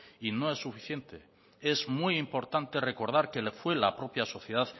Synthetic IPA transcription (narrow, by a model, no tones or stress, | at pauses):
ino̞e̞sːufiθjent̪e | e̞zmujimpo̞ɾt̪ant̪e̞re̞ko̞ɾð̞aɾkelfwe̞lapɾo̞pjaso̞θjeðað